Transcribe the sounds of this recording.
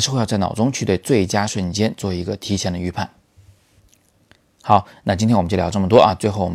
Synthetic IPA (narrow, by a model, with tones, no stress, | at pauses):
ʂɻ̩˥˧xjɑ˥˧t͡sa˥˩ɪnɑ˨˩ʊʈ͡ʂʊ˥ŋt͡ɕʰy˥˧t̪we˥˧ɪt͡swe˥˩ɪt͡ɕja˥ʂwə˥˩nt͡ɕjɛ˥nt͡swɔ˥˩i˧˥ɡə˧t̪ʰi˧˥ɕjɛ˨˩nd̪ə˩y˧˥pʰa˥˩n | xɑ˨˩˦ʊna˥˩t͡ɕi˥nt̪ʰɛ˥nw̩˨˩˧ljɑ˧˥ʈ͡ʂmə˩t̪wɔ˥ʔɐ˧t͡swe˥˧ɪxo˥˩ʊwɔ˨˩